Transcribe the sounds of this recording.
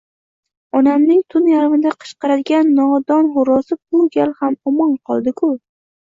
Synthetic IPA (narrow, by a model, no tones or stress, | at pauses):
ɒnamnɪŋt̪ʰʊnjaɾvɪnd̪aqʰɨ̥ʃqɑɾad̪ɪɡʲanːɒd̪ɒnχʊɾɒsɪbʊɡʲalhamɒmɒnqʰɒlˠd̪ɪkʰʊ